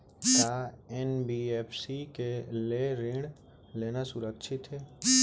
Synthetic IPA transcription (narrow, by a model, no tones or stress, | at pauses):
taːɛnbieːpʰsikeleːɾɪ̃ɽ | leːnasʊɾəkʃʰɪt̪ɦɛː